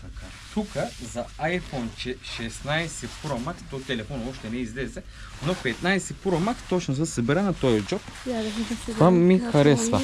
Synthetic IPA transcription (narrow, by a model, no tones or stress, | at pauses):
t̪aka | t̪ʰukəzɐajfɔnt͡ʃɛʃɛsnajsɛpuɾɐmak̪t̪ot̪ɛlɛfɔnɔʃt̪ɛnɛizlɛzɛ | nopɛt̪najsɛpuɾɐmak̪t̪ot͡ʃnozɐsɐbɛɾanɐt̪ɔjɐd͡ʒɔp | kamːixɐɾɛsvɐ